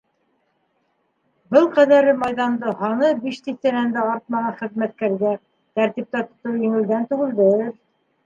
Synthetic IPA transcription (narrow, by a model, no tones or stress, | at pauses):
bɤlˠqæðæɾɘmɑjðɑnd̪ɤhɑɴɤbiʃt̪iθt̪ænænd̪æɑɾt̪̚mɑʁɑnχɘ̆ðmæt̪̚kæɾɡæ | t̪æɾt̪ip̚t̪æt̪ŏt̪owjɘ̆ŋɘ̆ld̪ænt̪ʉɡɘ̆ldɘɾ